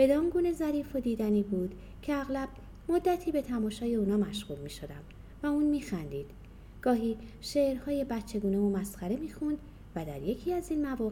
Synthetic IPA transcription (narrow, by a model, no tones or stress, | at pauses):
b̥e̞d̪ɒːŋɡuːne̞zæɾiːfo̞d̪iːd̪æniːbuːd̪ | cʰe̞æɣlæb̥̚ | mo̞d̪ːæt̪ʰiːbe̞t̪ʰæmɒːʃɒːje̞uːnɒːmæʃɣ̥uːlmiːʃo̞d̪æm | væuːnmiːxænd̪iːd̪̥ | ɡ̥ɒːɦiː | ʃeːʔɾhɒːje̞bæt̪t͡ʃʰe̞ɡuːne̞vomæsxæɾe̞miːxund̪ | væd̪æɾje̞cʰiːæziːnmævɒː